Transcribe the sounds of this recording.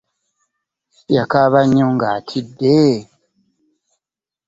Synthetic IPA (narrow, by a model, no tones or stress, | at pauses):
jakaβaɲõŋɡatʰide